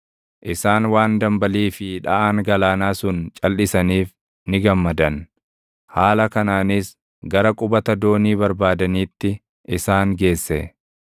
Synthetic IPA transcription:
ʔɪsaːnwaːnd̪ɐmbɐliːfɪᶑɐ̰ʔaːŋɡɐlaːnaːsʊnt͡ʃʼɐlːɪsɐniːf | nɪɡɐmːɐd̪ɐn | haːlɐkɐnaːnɪs | ɡɐɾɐkʼʊbɐt̪ɐd̪o̞ːniːbɐɾbaːd̪ɐniːt̪ːɪ | ʔɪsaːŋɡe̞ːsːɛ

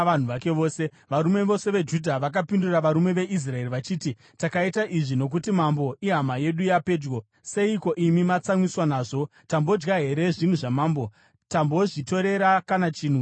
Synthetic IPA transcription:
ʋan̤uʋake̞ʋo̞ːse̞ | ʋaɾume̞ʋo̞se̞ʋe̞d͡ʒudʱaʋakapinduraʋaɾume̞ʋe̞ʔis̬rae̞riʋat͡ʃiːti | takaitaʔiʐino̞k̬utimambo̞ʔiɦamaje̞ɗujape̞ːd͡ʒɡo | se̞iko̞ʔimimat͡samwiswanaːʐo̞ | tambo̞d͡ʒɡaɦe̞ɾe̞ʐin̤uʐamaːmbo̞ | tambo̞ʐito̞ɾe̞ɾakanat͡ʃiːn̤u

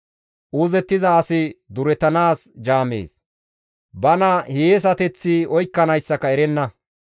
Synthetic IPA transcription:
ʔuzɛt̪ːɪzɐːsɪd̪ʊɾɛt̪ɐnaːsd͡ʒaːmḛːs | bɐnɐheːs̬ɐt̪ɛt͡sːɪɔjkːɐnɐjsːɐkɐɛɾɛnːɐ

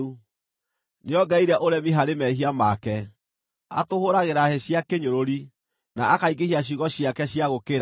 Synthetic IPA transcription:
u | neɔɡaiɾɛʔoɾɛmiɦaɾemɛɦiamakɛ | a̰tohoɾaɣeɾahɛɕjakeɲoɾoɾi | naakaiɡehiaɕ̬iɣɔɕjakɛɕjaɣokeɾa

